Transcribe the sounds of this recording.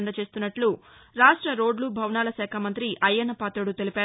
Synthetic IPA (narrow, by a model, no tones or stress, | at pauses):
nd̪ɐt͡ʃe̞ːst̪unːɐʈluɾaːʂʈɾɐɾo̞ːɖlubʱɐwnaːlɐʃɛːkʰamɐnt̪ɾiʔɐjːɐnːɐpaːt̪ɾɐɽut̪e̞lipaː